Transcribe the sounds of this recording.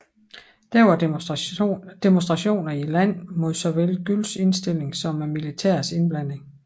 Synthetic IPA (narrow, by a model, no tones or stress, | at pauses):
d̥æɐʋɑ̈ | d̥e̝monsd̥ʁɑ̈ɕo̝̰ːnɐilæn̰mo̝ð̰ˠsɒ̽ʋelɡ̥ylse̝nsd̥e̝l̰e̝ŋsɒ̽mæmilit͡sʰæ̰ɐ̰se̝nb̥læn̰e̝ŋ